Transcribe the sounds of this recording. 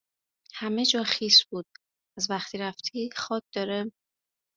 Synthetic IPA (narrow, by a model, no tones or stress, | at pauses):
hæme̞d͡ʒɒːxiːsbuːd̪̥̚ | ʔæzvæxt̪ʰiːɾæft̪ʰiːxɒːc̚ʰʲd̪̥ɒːɾe